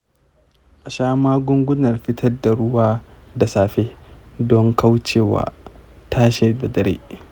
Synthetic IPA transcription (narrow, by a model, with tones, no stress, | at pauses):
ʔa˨ʃaː˦maː˦ɡʷʊ˦ŋɡʷʊ˦nɐ˨rɸɪ˦tʰɐ˦rda˨ɽʊ˦waː˦da˨saː˨ɸeː˦dɔ˦ŋka˦wt͡ʃeː˦˨wa̰ː˨taː˦ʃe˨da˨dɐ˦ɾḛː˦